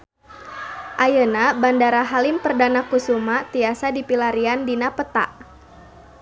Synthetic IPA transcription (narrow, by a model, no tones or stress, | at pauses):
ʔajənabandaɾaɦalimpərdanakusumat̪iasadipilaɾiandinapət̪a̰ʔ